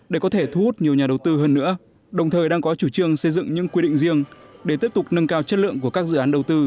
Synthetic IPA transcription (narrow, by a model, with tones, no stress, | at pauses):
ɗe˧˩kɔ˨˦t̪ʰe˧˩t̪ʰu˧hu˦˥t̚ɲi˨˩əwɲaː˨˩ɗə˨˩wt̪ɨ˧ɦəː˧nːɨ̰˧˥ə | ɗə˨˩wŋ͡mt̪ʰəː˨˩jɗaː˧ŋkɔ˨˦t͡ɕu˧˩t͡ɕɨ˧əŋsə˧jzɨ̰˧˨ŋɲɨ̰˧˥ŋkwi˧ɗḭ˧˨ŋzi˧əŋɗe˧˩t̪i˦˥əp̚t̪k͡p̚nə˧nkaː˧wt͡ɕə˦˥t̚lɨ̰˧˨əŋku˧˩əkaː˦˥k̚zɨ̰˧˨aː˨˦nɗə˨˩wt̪ɨ˧